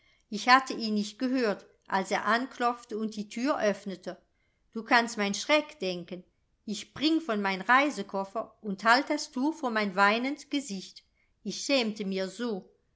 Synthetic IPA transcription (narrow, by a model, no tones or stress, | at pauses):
ʔɪçhatʰəʔiːnːɪçt̚ɡ̥əɦøːɐt | ʔa̰lseːɐʔankʰlɔp͡ftəʊnt̚d̥iːtʰyːɐʔœfnətʰə | d̥uːkʰanstmaɪnʃʁ̥ɛkd̥ɛŋkən | ɪçb̥ʁɪŋfɔnmaɪnʁaɪzəkʰɔfɐʊnthaltd̥astʰuːɐfoːɐmaɪnvaɪnəntɡ̥əzɪçt | ɪçʃɛːmtəmiːɐzoː